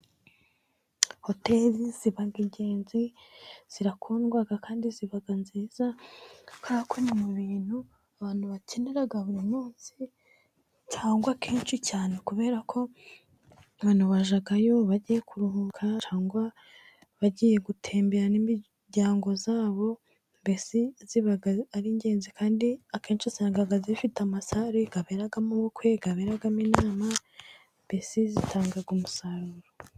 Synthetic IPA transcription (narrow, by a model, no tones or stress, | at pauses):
ho̞teliz̥iβaɡiɲɟe̞ːnziz̥iɾakʰoːnɡwaɡakaːndiziβaɡanziːza | kakʰonimuβiːn̥hu | aβaːn̥huβace̞neɾaɡaβuɾimuːnsi | t͡ʃaːŋɡwakʰiːnʃicaːne̞kuβe̞ːɾakʰo̞ | aβaːn̥huβaʒaɡajo̞βaɟije̞kʰuɾuhukʰat͡ʃaːŋɡwa | βaɟije̞ɡutʰe̞ːmbeɾanimi | ɟaːŋɡo̞zaːβo̞ | mbesiziβaɡaaɾiɲɟe̞ːnzikʰaːndiakʰe̞ːnt͡ʃiseŋɡaɡazifitamasaɾiɡ̥aβeɾaɡamuβukwe̞ɡaβeɾaɡaminaːma | mbe̞sizitʰaːŋɡaɡumusaɾuɾo